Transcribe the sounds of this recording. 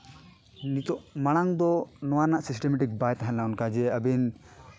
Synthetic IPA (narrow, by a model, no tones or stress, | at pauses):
nit̪ɔʔmaɽ̃aŋd̪ɔnɔwanaʔsisʈɛmɛʈik̚bajt̪aɦɛ̃lawnkad͡ʒɛəbin